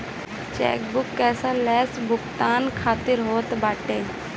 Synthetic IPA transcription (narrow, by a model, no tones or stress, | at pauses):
t͡ʃɛ̰ːk̚bʊkːɛːsalɛːsbʊkt̪aːnkʰaːt̪ɪɾɦoːt̪baːʈeː